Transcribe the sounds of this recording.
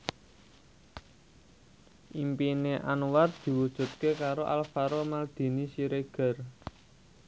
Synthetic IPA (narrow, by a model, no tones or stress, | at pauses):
ʔimpineʔanwar̚d̪̥i̤wud̥ʒ̥ṳt̪̚kekaɾoʔa̰lfaɾomald̪̥i̤nisiɾeɡ̥ə̤r